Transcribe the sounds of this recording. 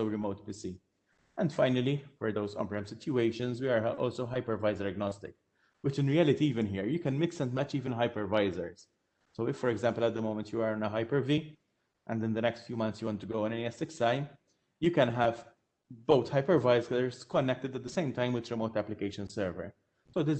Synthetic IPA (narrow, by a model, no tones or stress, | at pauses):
soʊɹɪmoʊt̪̚pisi | ʔɛ̃nd̪faɪnəlifɔɹd̪oʊzɔ̰̃mpɹɛ̃msɪtjueɪʃə̃nzwiaɹʔɔ̰ːlsoʊɦaɪpəɹvaɪzəɹɛɡnɔst̪ɪ̰k | wɪt͡ʃɪ̃nɹiælɪt̪iiːvɪ̃nɦiːɹjukɛ̃nmɪksɛ̃ndmɛt͡ʃiːvɨ̃nɦaɪpəɹvaɪzəɹs | soʊɪfːɔɾɛɡzæ̃mpələt̪̚d̪əmoʊ̃mɛ̃nt̪juəɹɪ̃nəɦaɪpəɹvi | ʔɛ̃ndɪ̃nd̪ənɛkstfjuːmʌ̃nt̪θsjuwɔ̃nt̪ːuɡoʊə̃nɛniɛsɪkstãɪ̃m | jukɛ̃nɦæv | boʊt̪haɪpəɹvaɪkzəskɔnːɛk̚t̪ɪd̪æt̪̚d̪əsẽɪ̃mt̪ãɪ̃mwɪt̪ɾɪmoʊt̪æplɪkeɪʃə̃nsɛːɹvə̰ɹ | soʊd̪ɪ